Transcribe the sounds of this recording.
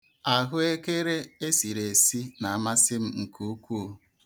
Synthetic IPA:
a˨ɣʊ˦e˦ke˦ɾe˦e˦si˨ɾe˨si˦na˨a˨ma˦sɪ˦m̩˦ŋ̩˨ku˦kʷu˦o˦

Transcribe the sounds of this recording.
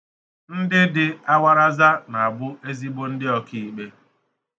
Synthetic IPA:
n̩˦dɪ˦dɪ˨a˦wa˦ɾa˦za˦na˨a˨bʊ˦e˦zi˦bo˦n̩˦dɪ˦ɔ˦ki˦˨i˨k͡pe˦

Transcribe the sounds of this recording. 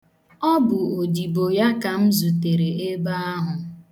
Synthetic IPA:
ɔ˦bʊ˨o˨di˨bo˨ja˦ka˨m̩˦zu˨te˨ɾe˨e˦ba˦a˦ɦʊ˨

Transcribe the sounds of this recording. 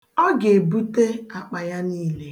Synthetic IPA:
ɔ˦ɡe˨bu˦te˦a˨k͡pa˨ja˦niː˦le˦

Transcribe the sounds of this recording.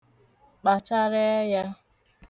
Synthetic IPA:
k͡pa˨t͡ʃa˦ɾe˦ja˦

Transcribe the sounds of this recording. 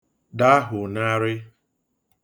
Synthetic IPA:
da˦a˦ɦʊ˨na˦ɾɪ˦

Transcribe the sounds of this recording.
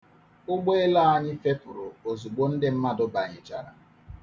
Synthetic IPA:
ʊ˦ɡ͡be˦e˦la˦a˦ni˦fe˦pʊ˨ɾo˨o˨zu˨ɡ͡bo˦n̩˦dɪ˦m̩˦ma˦dʊ˦ba˨ɲɪ˨t͡ʃa˦ɾa̰˨

